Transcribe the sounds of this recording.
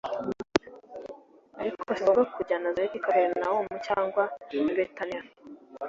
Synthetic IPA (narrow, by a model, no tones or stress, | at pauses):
aɾikʰosoɡakʰuɟanazajeβikoɾeɾnawomucaːŋɡwaniɾetana